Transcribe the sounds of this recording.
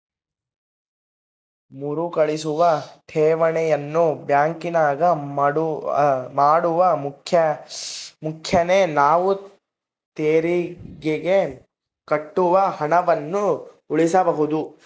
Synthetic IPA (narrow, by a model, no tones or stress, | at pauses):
muɾukɐɭisuʋɐʈ̪ʰɛːʋɐɳɛjɐnːubjaːŋkinaːɡɐɽ | maːɽuʋɐmkʰjɐ | mukʰjɐnenaːʋu | t̪eːɾiɡeɡe | kɐʈːuʋɐhɐɳɐʋɐnːu | uɭisɐbɐɦud̪u